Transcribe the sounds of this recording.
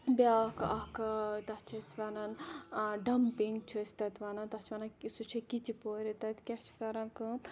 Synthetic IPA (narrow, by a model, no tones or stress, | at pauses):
bʲakʔɐkɐd̪ɐt͡ʃʰɐsʋɐnɐnɖɐmpiŋɡt͡ʃʰusʲt̪ɐt̪ʋɐnɐnd̪ɐt͡ʃʰʋɐːnɐsut͡ʃʰɐkit͡ʃipoːɾit̪ɐt̪kʲɐt͡ʃʰkɐɾɐŋkɨ